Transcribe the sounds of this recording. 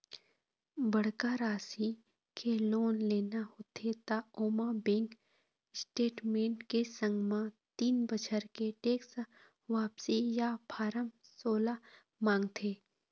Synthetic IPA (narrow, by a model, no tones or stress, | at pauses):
bəɽ̤kaɾaːsi | kʰeloːnleːnahoːt̪ʰet̪aoːmabẽŋk | sʈeːʈmẽːɳʈkesə̃ŋɡmãt̪iːnbət͡ʃʰəɾkeʈeːks | ʋaːpsijapʰaːɾəmsoːla | mãːŋɡt̪ʰeː